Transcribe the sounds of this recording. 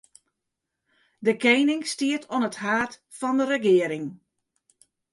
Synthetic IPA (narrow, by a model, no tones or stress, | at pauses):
dəkejnɪŋstiətʰɔnəthaːt | fɔndəɾəɡɪəɾɪŋ